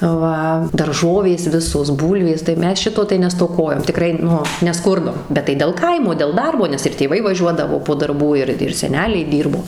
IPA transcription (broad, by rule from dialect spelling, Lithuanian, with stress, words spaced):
ˈʋɐ dɐrˈʒoːʋʲeːs ˈʋʲɪsoːs ˈbuːlʲʋʲeːs tɐɪ ˈmʲɛs ˈʃʲɪtoː tɐɪ nʲɛstoːˈkoːjoːm tʲɪˈkrɐɪ ˈnʊ nʲɛˈskʊrdoːm bʲɛt tɐɪ dʲɛlˠ ˈkɐɪmoː dʲɛlˠ ˈdɐrboː nʲɛs ɪr tʲeːˈʋɐɪ ʋɐˈʒʲuɔdɐʋoː poː dɐrˈbuː ˈɪr ɪr sʲɛˈnʲæːlʲɛɪ ˈdʲiːrboː